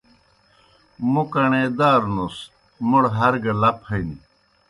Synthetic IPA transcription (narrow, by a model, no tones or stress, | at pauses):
mukɐɳeːd̪aːɾnus | muɽɦɐɾɡɐlɐphɐini